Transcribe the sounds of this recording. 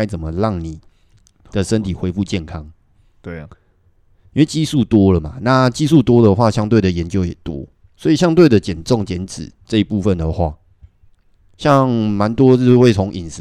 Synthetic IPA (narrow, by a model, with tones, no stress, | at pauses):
ɪt͡sə˨˩nmə˨ɻɑ˥˨˩ŋni˨˩ | d̪ə˨ʂə˦nt̪ʰi˨˩xwe˧˥ɪfu˥˧t͡ɕjɛ˥˨nkʰɑ˦˥ŋ | i˥nwe˥˩ɪt͡ɕi˥su˥˩t̪wɔ˥lə˨ma˨˩na˥˨t͡ɕi˦su˥˨t̪wɔ˥d̪ə˨xwa˥˩ɕjɑ˥˦ŋt̪̬we˥˩ɪd̪ə˨˩jɛ˨˦nt͡ɕjo˥ʊjɛ̰˨˩t̪wɔ̰˦ | swɔ˧˥i˨˩ɕja˥ŋt̪we˥˩ɪd̪ə˨t͡ɕjɛ˨˩nt͡sɔ˥˨ŋt͡ɕjɛ˨˦nt͡sɻ̩˨˩t͡sə˥˧i˦pu˥˧fə˨nd̪ə˩xwa˥˩ | ɕjɑ˥˨ŋma˧˦nt̪wɔ˥˦˥we˥˩ɪt͡sʰɔ˧˥ŋʔi˨˩ns